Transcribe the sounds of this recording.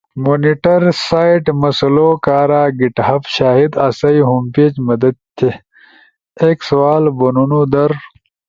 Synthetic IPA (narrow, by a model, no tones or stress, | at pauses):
moːniʈɐɾsaːiʈmɐsɐlokaːɾaːɡiʈhɐfɕaːɦid̪asɐjɦumpeːt͡ɕmɐd̪ɐd̪̚t̪ʰːe | eksɐwaːlbonunud̪ɐɾ